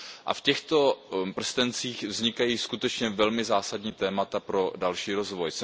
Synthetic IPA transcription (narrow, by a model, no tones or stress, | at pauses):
ʔa̰fcɛxt̪o̞pr̩st̪ɛnt͡siːxvzɲɪkajiːskut̪ɛt͡ʃɲɛvɛlmɪzaːsadɲiːt̪ɛːmat̪apɾo̞dalʃiːɾozvojsɛ